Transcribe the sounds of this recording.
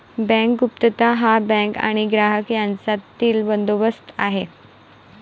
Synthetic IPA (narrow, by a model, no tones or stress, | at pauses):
bɛ̃ŋkɡup̚t̪ət̪aɦabɛ̃ŋka̰ɽ̃iɡɾaɦəkjant͡sat̪iːlbənd̪oʋəst̪aɦe